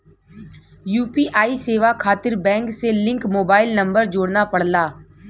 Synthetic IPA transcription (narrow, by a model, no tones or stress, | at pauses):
juːpiʔaːiseːʋakʰaːt̪ɪɾbɛ̃ːŋkselɪ̃ŋkmoːbaːɪlnɐ̃mbəɾd͡ʒoːɽnapɐɽlaː